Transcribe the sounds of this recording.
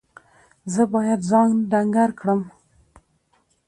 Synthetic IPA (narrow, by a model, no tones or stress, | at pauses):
zəbɑjad̪zɑnɖaŋɡaɾkɽəm